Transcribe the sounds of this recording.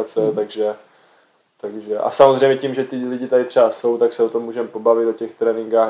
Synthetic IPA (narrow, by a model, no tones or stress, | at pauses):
at͡sɛt̪aɡʒɛ | t̪aɡʒɛʔa̰samozrɛjmɲɛcimʒɛt̪ɪlɪɟɪt̪adɪt̪r̝̥ɛbaso̞wt̪aksɛot̪o̞mːuːʒɛmpo̞bavɪt̪ocɛxt̪ɾɛːnɪŋɡaː